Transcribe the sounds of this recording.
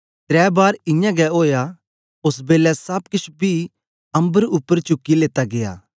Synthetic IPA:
t̪ɾɛːbaːɾɪ̃jãɡɛoːja | ʊs̬beːlɛsɐb̚kɪt͡ʃʰbʱi | ɐ̃mbəɾʊpːəɾt͡ʃʊkːileːt̪aɡeja̰ː

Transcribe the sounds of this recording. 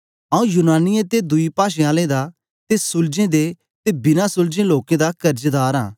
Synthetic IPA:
ãũjʊnaːnɪjẽt̪ed̪ʊipaːʃẽaːlẽd̪a | t̪esʊld͡ʒẽd̪e | t̪ebɪnasʊld͡ʒẽloːkẽd̪akɐɾd͡ʒd̪aːɾã̰ː

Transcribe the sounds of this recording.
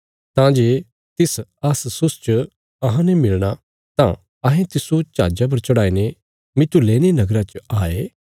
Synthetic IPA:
t̪ãd͡ʒeː | t̪ɪsɐssʊst͡ʃə | ɐɦãnɛmɪlɽ̃a | t̪ã̰ | ɐɦẽt̪ɪsot͡ʃa̰ːd͡ʒap̬ɐɾt͡ʃɐɽaːine | mɪt̪ːuleːñenɐɡɾat͡ʃaːeː

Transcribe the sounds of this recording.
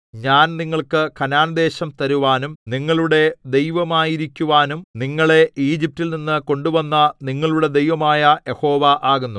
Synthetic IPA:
ɲaːnniŋːɐɭkɨkʰɐnaːnɐd̪e̞ːɕɐmt̪ɐɾuʋaːnumniŋːɐɭuɽe̞d̪e̞jʋɐmaːjiɾikʲːuʋaːnumniŋːɐɭe̞ʔiːd͡ʑip̚tːilninːɨko̞ɳɖuʋɐnːɐniŋːɐɭuɽe̞d̪e̞jʋɐmaːjɐje̞ho̞ːʋɐʔaːɣunːu

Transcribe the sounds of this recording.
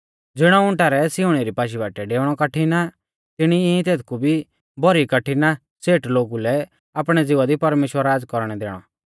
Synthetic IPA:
d͡zɪɽ̃aʊ̃ɳʈaːɾɛsɪuɽ̃eɾipaːʃ̬ibaːʈɛɖeːʋɽ̃ɔkɐʈʰina | t̪ɪɽ̃iĩt̪eːt̪̚kubʱi | bʱɔɾikɐʈʰːina | seːʈloːɡulɛ | aːp̬ɽ̃ɛd͡zɪʋad̪ipɐɾmeːʃwəɾaːd͡zkɔɾɽ̃ɛd̪eːɽ̃ɔ̰

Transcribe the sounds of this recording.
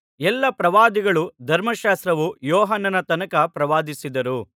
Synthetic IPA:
ɛlːɐpɾɐʋaːd̪iɡɐɭud̪ʱɐɾmɐʃaːst̪ɾɐʋujɔːɦɐnːɐnɐt̪ɐnɐkɐpɾɐʋaːd̪isid̪ɐɾu

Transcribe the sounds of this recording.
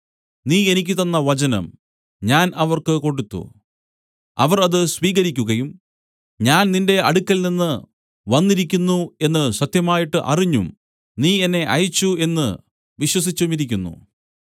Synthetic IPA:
niːe̞nikʲːɨt̪ɐnːɐʋɐt͡ɕɐnɐ̰m | ɲaːnɐʋɐrkɨko̞ɳɖut̪ːṵ | ɐ̰ʋɐrɐðɨsʋiːɣɐɾikʲːuɣɐjum | ɲaːnninde̞ʔɐɽukʲːɐlninːɨ | ʋɐnːiɾikʲːunːue̞nːɨsɐt̪jɐmaːjiʈːɨʔɐ̰riɲːṵm | niːe̞nːe̞ʔɐjit͡ɕːue̞nːɨ | ʋiɕwɐs̬it͡ɕːumiɾikʲːunːṵ

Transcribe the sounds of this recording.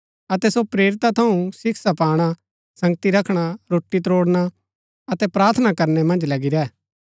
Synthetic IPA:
ɐt̪ɛsopɾeːɾɪt̪at̪ʰɐũsɪkʰsapaːɽ̃a | sɐ̃ŋɡt̪iɾɐkʰɽ̃aɾoːʈːit̪ɾoːɽña | ɐt̪ɛpɾaːɾt̪ʰnakɐɾnɛmɐ̃nd͡ʒlɐɡiɾɛː

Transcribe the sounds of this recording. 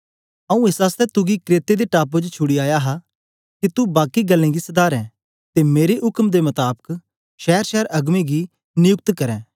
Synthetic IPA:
ɐũːɪsaːst̪ɛt̪ʊɡikɾeːt̪ed̪eʈaːp̬od͡ʒt͡ʃʰʊɽiaːjaɦa | kit̪ubaːkiɡɐlːẽːɡisɐd̪aːɾɛ̃ː | t̪emeːɾeʔʊkmd̪emɐt̪aːbək | ʃɛːəɾʃɛːəɾɐɡmẽɡi | nɪjʊk̚t̪kɐɾɛ̃ː

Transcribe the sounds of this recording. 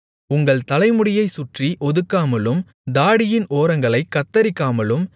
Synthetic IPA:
ʊŋɡɐɭt̪ɐlɐɪmɯɽɪjɐɪsʊʈriʔɔðɯkːaːmɐlɯm | d̪aːɽɪjɪnʔoːɾɐŋɡɐɭɐɪkːɐt̪ːɐɾɪkːaːmɐlɯm

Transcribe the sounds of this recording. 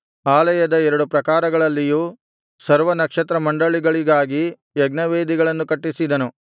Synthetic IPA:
aːlɐjɐd̪ɐɛɾɐɽupɾɐkaːɾɐɡɐɭɐlːijuː | sɐɾʋɐnɐkʂɐt̪ɾɐmɐɳɖɐɭiɡɐɭiɡaːɡi | jɛɡnɐʋeːd̪iɡɐɭɐnːukɐʈːisid̪ɐnu

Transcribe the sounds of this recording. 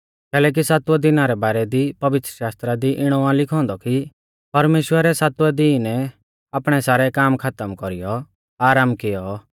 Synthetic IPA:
kɛːlɛːk̬isaːt̪uɛd̪ɪnaɾɛbaːɾɛd̪ipɐʋɪt̪ɾəʃaːst̪ɾad̪iʔɪɽ̃ɔãlɪkʰɔ̃ːnd̪ɔki | pɐɾmeːʃwəɾɛsaːt̪uɛd̪iːnɛ | aːpɽ̃ɛsaːɾɛkaːmkʰat̪əmkɔɾijɔ | aːɾaːmkɪjɔ

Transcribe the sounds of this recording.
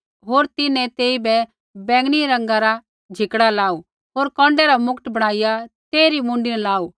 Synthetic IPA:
ɦoːɾt̪ɪnɛ̃t̪eːibɛ | bɛ̃ːŋɡɽ̃iɾɐ̃ŋɡaɾa | d͡ʒʱɪkɽalaːu | ɦoːɾkɔ̃ːɳɖɛɾamʊkʈbɐɽ̃aːɪjat̪eːɾimʊ̃ːɳɖɪnɛlaːu

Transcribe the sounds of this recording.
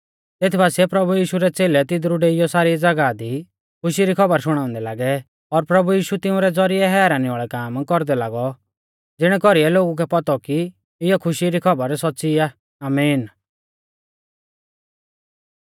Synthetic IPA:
t̪eːt̪ʰibaːsiɛpɾɐbujiːʃuɾɛt͡seːlɛt̪ɪd̪ɾuɖeːɪjɔsaːɾid͡zɐɡad̪i | kʰʊʃiɾikʰɔbəɾʃʊɽ̃ãːʊ̃nd̪ɛlaːɡɛ | ɔɾpɾɐbujiːʃut̪ɪ̃ũɾɛd͡zɔɾiɛɦɛːɾanĩaːɭɛkaːmkɔɾd̪ɛlaːɡɔ | d͡zɪɽ̃ɛkɔɾiɛloːɡuk̬ɛpɔt̪ɔki | ɪjɔkʰʊʃiɾikʰɔbəɾsɔtːsia | aːmiːn

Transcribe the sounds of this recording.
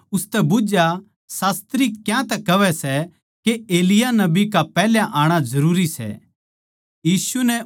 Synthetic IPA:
ʊst̪ɛbʊd͡ʒja | saːst̪ɾikjãt̪ɛkɐʋɛsɛ | keeːlɪjanɐbikapɛːljãʔaːɽ̃azɐɾuːɾisɛ̰ | jiːsunɛ

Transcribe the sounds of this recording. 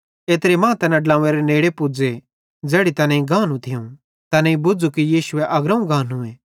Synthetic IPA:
eːt̪ɾemãːt̪ɐnãɖlãːeɾeneːɽepud͡ze | d͡zɛːɽit̪ɐnẽĩɡãːnũt̪ʰɪjũ | t̪ɐnẽĩbʊd͡zukijiːʃʊeʔɐɡɾɐ̃ũɡãːnɦũẽː

